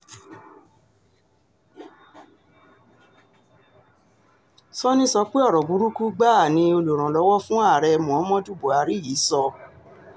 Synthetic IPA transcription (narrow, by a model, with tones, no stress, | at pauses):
sɔ˦nĩ˦sɔ˧k͡pe˦ɔ˦˨ɾɔ˨bu˨˦ɾu˦ku˦ɡ͡ba˦˨nĩ˧o˧lu˨ɾ̃ã˨lɔ˨˦wɔ˦fũ˦a˦˨ɾɛ˧mɔ̃˨ɔ˨˦mɔ̃˦du˦˨bo˨a˨˧˦ɾi˨˦jiː˨˦sɔ˧